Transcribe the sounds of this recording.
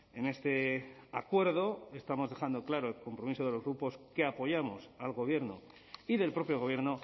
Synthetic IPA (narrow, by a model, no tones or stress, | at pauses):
e̞ne̞st̪e̞akwe̞ɾðo̞e̞st̪amo̞zðe̞xand̪o̞klaɾoelko̞mpɾo̞miso̞ð̞e̞lo̞zɣɾupo̞skeapo̞ʝamo̞salɣo̞βje̞ɾno | iðe̞lpɾo̞pjo̞ɣ̞o̞βje̞ɾno